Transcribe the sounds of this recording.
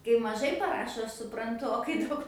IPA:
kɐɪ mɐˈʒɐɪ pɐˈrɑːʃoː ˈɐʃ sʊprɐnˈtʊ oː kɐɪ ˈdɐʊk

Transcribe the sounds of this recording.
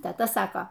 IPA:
tʲɛˈtɐ ˈsɑːkoː

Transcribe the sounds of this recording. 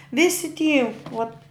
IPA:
ˈʋʲɪsʲɪ tʲiː oːt

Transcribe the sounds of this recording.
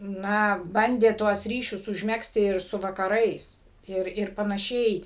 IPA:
ˈnɐ ˈbɐnʲdʲeː tuɔs ˈrʲiːʃʲʊs ʊʒʲˈmʲæːksʲtʲɪ ɪr ˈsʊ ʋɐkɐˈrɐɪs ˈɪr ɪr pɐnɐˈʃʲɛɪ

